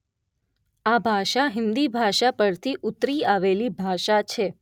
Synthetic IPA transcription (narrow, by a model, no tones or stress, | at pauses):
abʱaʃaɦɪnd̪ibʱaʃapəɾt̪ʰiʔʊt̪ɾiaʋelibʱaʃat͡ʃʰe